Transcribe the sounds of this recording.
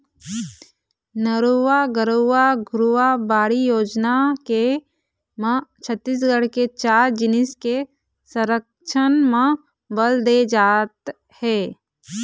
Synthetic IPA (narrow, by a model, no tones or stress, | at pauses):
nəɾuwaɡəɾəʋaɡɾuabaːɽijoːd͡ʒnake | mə̃t͡ʃʰət̪ːis̬ɡəɽket͡ʃaːɾd͡ʒɪnɪske | səɾək | ʃʰənmã | bəld̪ed͡ʒaːt̪ | hɛː